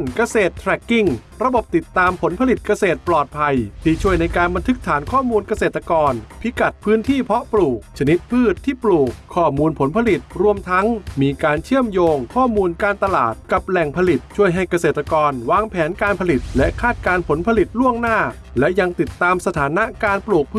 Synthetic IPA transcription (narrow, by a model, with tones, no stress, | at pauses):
nka˧seː˨˩t̪ʰːɾɛ˨˩kːi˧˩ŋɾa˧bo˨˩p̚t̪i˨˩t̪ːaː˧mpʰo˩˦npʰa˧li˨˩t̪̚ka˧seː˨˩t̪̚plɔː˨˩t̪̚pʰa˧jt̪ʰiː˥˩t͡ɕʰu˥˩əjna˧jkaː˧nba˧nt̪ʰɯ˦˥k̚t̪ʰaː˩˦nkʰɔː˥˩muː˧nka˧seː˨˩t̪ːa˧kɔː˧npʰi˦˥ka˨˩t̪̚pʰɯː˦˥nt̪ʰiː˥˩pʰɔ˦˥ʔpluː˨˩k̚t͡ɕʰa˧ni˦˥t̪̚pʰɯː˥˩t̪ʰːiː˥˩pluː˨˩k̚ʰːɔː˥˩muː˧npʰo˩˦npʰa˧li˨˩t̪̚ɾu˧əmt̪ʰa˦˥ŋmiː˧kaː˧nt͡ɕʰɯ˥˩əmjoː˧ŋkʰɔː˥˩muː˧nkaː˧nt̪a˧la̰ː˨˩t̪̚ka˨˩p̚lɛ˨˩ŋpʰa˧li˨˩t̪̚t͡ɕʰu˥˩əjɦa˥˩jka˧seː˨˩t̪ːa˧kɔː˧nwaː˧ŋpʰɛː˩˦nkaː˧npʰa˧li˨˩t̪̚lɛ˦˥ʔkʰaː˥˩t̪̚kaː˧npʰo˩˦npʰa˧li˨˩t̪̚lu˥˩əŋnaː˥˩ | lɛ˦˥ʔja˧ŋt̪i˨˩t̪ːaː˧msa˧t̪ʰaː˩˦na˦˥kaː˧npluː˨˩k̚pʰ